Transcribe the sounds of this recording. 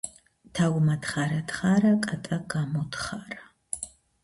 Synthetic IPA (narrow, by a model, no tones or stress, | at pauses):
tʰaːwmɐtχaːɾɐtχaːɾɐkʼɐtʼɐɡaːmodχaːrɐ